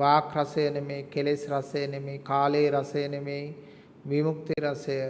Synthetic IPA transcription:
ʋaːkrasəjənemeːkelesɾasɐjənemeːkaːleːɾasəjənemej | ʋimuk̚t̪iɾasəjə

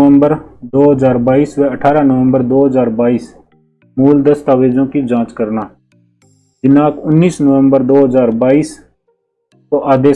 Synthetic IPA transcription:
əmbəɾd̪oːɦəzaːɾbaːiːsʋɛːəʈʰaːɾaːnəʋə̃mbəɾd̪oːɦəzaːɾbaːiːs | muːld̪əst̪aːʋeːd͡ʒõːkid͡ʒãːt͡ʃkəɾnaː | d͡ʒɪnãːkʊnːiːsnəʋəmbəɾd̪oːɦəzaːɾbaːiːs | t̪õːʔaːd̪eː

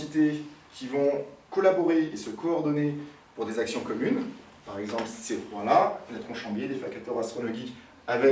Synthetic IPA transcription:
it̪ekʲivɔ̃kɔlabɔʁeːsəkɔːʁd̪ɔne | puʁd̪ezaksjɔ̃kɔmyn | paʁɛɡzɑ̃plsi̥sefχwãlanɛt̪χɔ̃ʃɑ̃bjed̪efakat̪œʁast̪χɔlɔʒik | avɛ

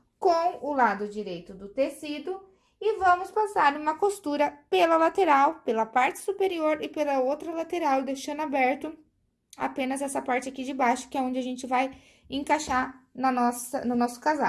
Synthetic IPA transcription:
kõw̃ʊlad̪ʊd͡ʒiɾejt̪ʊd̪ʊt̪esid̪ʊ | ɪvɐ̃mʊspasaɾũmɐkost̪uɾɐpelɐlat̪eɾawpelɐpaɾt͡ʃɪ̥supeɾioɾɪpelɐowt̪ɾɐlat̪eɾawd̪eʃɐ̃nabɛɾt̪ʊ | a̰pẽnɐzɛsɐpaɾt͡ʃɪakid͡ʒɪbajʃʊ̥kɪɛõd͡ʒɪaʒẽnt͡ʃɪvaj | ẽkaʃanɐnɔsɐnʊnɔsʊ̥kaza̰w

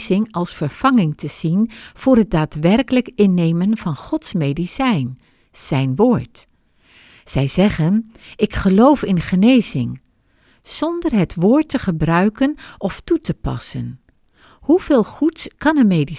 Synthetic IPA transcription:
zɪŋɑlˠsfəɹv̥ɑŋɪŋtʰəz̥inv̥ʊːɹɦət̚daːtʋɛrkələkɪnːejmənv̥ɑnχɔtsmejdisɛjn | z̥ɛjnʋoːɹt | z̥ɛjzɛχən | ɪkχəlowfɪnχənejzɪŋ | z̥ɔndəɹɦətʋʊːɹtəχəbrœɥkənʔɔftutəpɑ̰sən | huv̥eːlˠχutskɑnəmedi

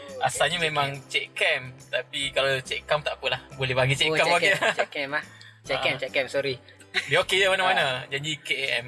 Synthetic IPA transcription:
ʔasalɲamẽmãŋt͡ʃɛʔkɛmt̪apikalat͡ʃɛʔkamt̪aʔpəlahbolɛɦbaɡit͡ʃɛʔkambaɡit͡ʃɛkɛmah | t͡ʃɛɛmt͡ʃɛkɛmsɔɾi | biokejamanamanad͡ʒadikeeʔɛm

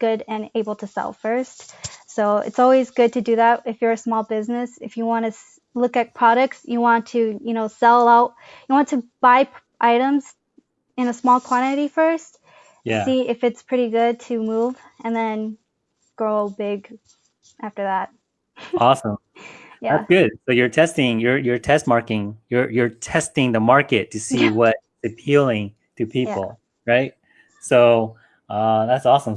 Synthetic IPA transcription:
ɡ̥ʊɾɨ̃neɪbl̩ˠtʰɨsɛ̰lˠfɜ˞stsoʊɨ̰tsɔlˠwizɡʊd̚tʰɨdɨðæt̚ɨfjə˞ɨsmɔlˠbɪznɨsɨfjɨwɑ̃nɨs | lʊkɨt̚pʰɹ̥ɑɾɨk̚tsjɨwɑ̃ntʰɨjɨñoʊsɛlˠaʊt̚ | jɨwɑ̃ntʰɨb̥aɪp | ʔaɪɾə̃mz̥ | ɨ̃nɨsmɔlˠkʰw̥ɑ̃ñɨɾifɜ˞st̚ | æsiɪfɨtspʰɹ̥ɪɾiɡʊd̚tʰɨmuv | ɨ̃nðɨ̃n | ɡ̥ɹoʊbɪɡ | ʔæftə˞ðæt̚ | ɔsə̃m | jæðætɡ̥ʊd̥̚soʊjə˞tʰɛstɪ̃ŋjə˞jə˞tʰɛst̚mɑɹkɪ̃ŋjə˞jə˞tʰɛstɪ̃ŋðəmɑɹkɨtʰɨsiwʌɾɪtsɨpʰilˠɪ̃ŋ | tʰɨpʰipl̩ˠ | ɹaɪt̚ | soʊ | ʌðætsɔsə̃m

